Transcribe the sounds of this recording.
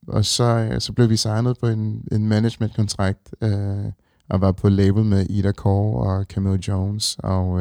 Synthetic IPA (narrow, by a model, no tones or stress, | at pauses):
ʔɒ̽sɒ̽sɒ̽b̥le̝ʊd̥isɑ̈ɪnð̞̩ˠpʰɒ̽e̝ne̝nmæne̥ɕmend̥̚kʰɒ̽nt͡sʰʁɑ̈ɡ̥̚d̥ø | ɒʋɑ̈pʰɒ̽leɪb̥l̩ˠmeʔiɾækʰɒɒkʰæmild̥oʊnsɒ